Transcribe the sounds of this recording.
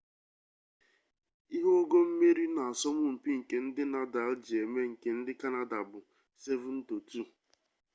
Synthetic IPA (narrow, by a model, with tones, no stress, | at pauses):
i˦ɦu˦ɡo˦m̩˦me˦ɾi˦na˨a˨sɔ˦mʊ˦m̩˨pi˦ŋ̩˨ke˨n̩˦dɪ˦na˨da˨˦ld͡ʒi˨e˨me˦ŋ̩˨ke˨n̩˦dɪ˦ka˦na˨da˨bʊ˨ | se˦vʊ˨n̩˦to˨tu˦˨